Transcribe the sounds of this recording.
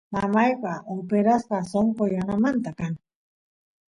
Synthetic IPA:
mamajɢaʔopeɾaspasoŋkojanamant̪akaŋ

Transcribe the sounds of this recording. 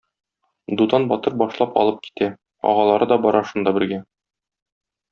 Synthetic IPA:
d̪ud̪ɑnbɒt̪ɤɾbɒʃlˠɑpɒ̰lˠɤp̚ki̥t̪æ | ɒ̰ʁɑlˠɑɾɤd̪ɒbɒɾɑʃund̪ɑbɘ̆ɾɡæ

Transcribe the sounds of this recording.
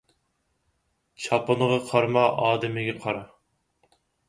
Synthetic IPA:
t͡ʃʰɑpənəʁɑqʰɑɾmɑʔɑːd̪ɪmɪɡʲɛqʰɑɾɑ

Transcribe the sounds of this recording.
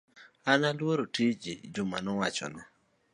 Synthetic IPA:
analwoɾotid͡ʒḭd͡ʒʊmanɔwat͡ʃɔ̰nɔ

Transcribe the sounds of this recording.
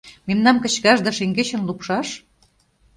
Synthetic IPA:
memnɑmkə̆t͡ɕkɑʒd̪ɑʃeŋɡeɕə̆nlupʃɑʃ

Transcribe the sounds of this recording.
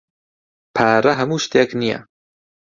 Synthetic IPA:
pʰaːɾɐɦɐmuːʃt̪jɛknijɛ̰

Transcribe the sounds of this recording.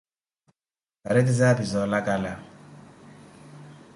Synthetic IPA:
aɾetɪzabizɔlakʼala

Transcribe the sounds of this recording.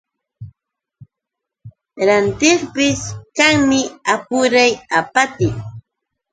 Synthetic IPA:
ɾant̪ɪχpɪskaŋmɪapʊɾajapat̪ɪŋ

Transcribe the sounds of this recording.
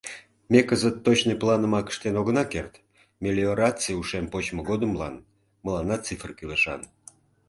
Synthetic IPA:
mʲekəzət̪ːot͡ɕnəjplˠɑnəmɑkə̥ʃt̪enoɣənɑkert̪ | mʲelʲioɾɑt͡sɨjuʃempot͡ɕməɣod̪əmlɑ̰n | məlɑnɑt͡sifrkyleʃɑ̰n

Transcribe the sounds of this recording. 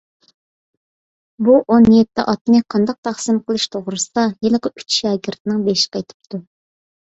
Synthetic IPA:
buʔonjet̪ʰːɪ̰ʔɑt̪ɨnɨqʰɑnd̪ɑq̚t̪ʰɑχsɨmqʰəlˠɨʃt̪ʰoʁɾɨsɨd̪ɑjelˠəqəyt͡ʃʃɑːɡʲiɾt̪ʰɪnɪŋbeʃɪ̥qɑjt̪ʰɨ̥p̚t̪ʰu

